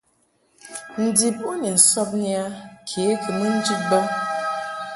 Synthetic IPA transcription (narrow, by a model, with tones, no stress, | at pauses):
n̩˨di˨p̚u˦ne˨sɔ˦p̚nja˦kʰe˦kɨ˨mi˦n̩˦d͡ʒi˦t̚bɔ˦